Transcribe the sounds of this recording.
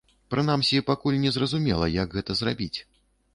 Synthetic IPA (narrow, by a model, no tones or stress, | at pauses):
pɾɨnamsʲipakulʲnʲɛzrɐzumʲɛlˠɐjɐɡɣɛt̪ɐzrabʲit͡sʲ